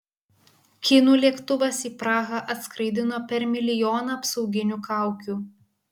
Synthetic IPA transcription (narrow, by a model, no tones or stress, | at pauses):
kʲɪnuːlʲiɛkt̪ʊʋɐsiːpɾɑːɣɐʔɐt̪skɾɐɪd̪ʲɪnoːpʲɛɾmʲɪlʲɪjoːnɐɐpsɒʊɡʲɪnʲuːkɑˑʊkʲuː